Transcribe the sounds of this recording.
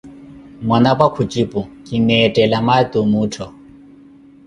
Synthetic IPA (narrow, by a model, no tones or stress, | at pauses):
mwanapwakʰut͡ʃʼipʼukʼinɛːtʼɛlamatʼumuːtʰɔ